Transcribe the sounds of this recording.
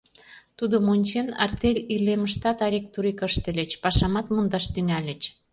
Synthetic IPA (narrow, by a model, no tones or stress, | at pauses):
t̪ud̪omonʲt͡ɕenɑ̰rt̪elʲileməʃt̪ɑt̪ɑɾʲek̚t̪uɾikəʃt̪ĕlʲet͡ɕpɑʃɑmɑt̪mund̪ɑʃt̪yŋælʲə̆t͡ɕ